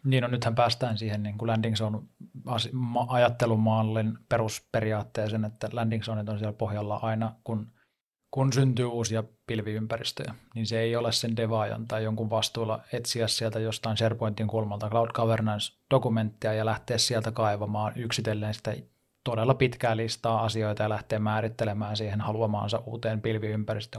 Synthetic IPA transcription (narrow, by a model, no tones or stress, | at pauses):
niːnnonyt̪hæmpæːst̪æːnsiːhenniːŋkulændiŋsonuɑsimɑɑjɑt̪ːelumɑːlːenperuspeɾiɑːt̪ːeːsenet̪ːælændiŋsoːnit̪onsiælpohjɑlːɑʔɑinɑkun | kunsynt̪yːuːsiɑpilʋiympærist̪ø̰jæninseeiolessendeʋɑːjɑ̰nt̪ɑjjoŋkuʋʋɑst̪uːlɑet̪siæssielt̪æjost̪ɑinserpoint̪ːiŋkulmɑlt̪ɑklɑud̥kɑʋernɑnsd̥okument̪ːiɑjɑlæht̪eːssielt̪ækɑiʋɑmɑːnyksit̪elːeːnsi̥t̪æ̰ | t̪odelːɑpit̪kæːlːist̪ɑːɑsiojt̪ɑjɑlæht̪eːmmæːɾit̪ːelemæːnsiːhenhɑluɑmɑ̰ːnsɑʔʔuːt̪eːmpilʋiympærist̪ø